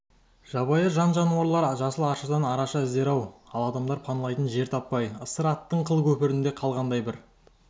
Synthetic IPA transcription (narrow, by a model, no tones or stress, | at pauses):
ʒ̥ɑβɑjəʒɑnʒɑnuɑɾlˠɑɾʒɑsəlˠɑɾʃəd̪ɑnɑɾɑʃɑɪzd̪e̞ɾɑwɑlˠɑd̪ɑmd̪ɑɾpʰɑnlˠɑjt̪ənʒe̞ɾt̪ʰɑpːɑjəsəɾɑt̪ːəɴqʰəlˠkʲʰɵpɪɾɪnd̪e̞qʰɑlˠʁɑnd̪ɑjbɪɾ